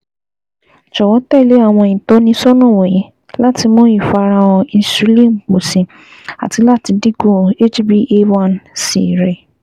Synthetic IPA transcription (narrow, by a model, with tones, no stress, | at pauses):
t͡ʃɔ˨wɔ̃˨˦tɛ˦˨le˨˦a˦˨w̃ɔ̃˧ĩ˨tɔ˦nĩ˧sɔ˦nɔ̃˦˨wɔ̃˨ji˨˦ | la˦˨ti˧mɔ̃˦i˦˨fa˧ɾã˧wɔ̃˧ĩ˧su˨˦li˦˨m̩˨k͡po˨sĩ˨ | a̰˨ti˧˦la˦˨ti˧di˦ɡõ˦˨e˦d͡ʒi˦bi˦ʔe˦wã˦˨nsḭ˨ɾɛ˨